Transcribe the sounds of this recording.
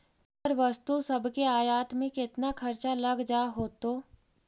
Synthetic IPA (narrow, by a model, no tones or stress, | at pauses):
əɾʋɐst̪usɐbʱkeaːjaːt̪mẽkɪt̪nakʰɐɾt͡ʃalɐɡd͡ʒaːɦoːt̪oː